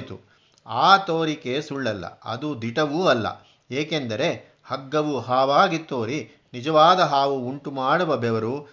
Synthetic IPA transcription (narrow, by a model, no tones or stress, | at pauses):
t̪u | aːt̪oːɾike̞suɭːɐlːɐ̰ɐ̰d̪ud̪iʈɐʋuːɐlːɐ̰ | eːke̞nd̪ɐɾe̞ | hɐɡːɐʋuɦaːʋaːɡit̪ːoːɾi | nid͡ʒɐʋaːd̪ɐɦaːʋuuɳʈumaːɽuʋɐbɛʋɐɾu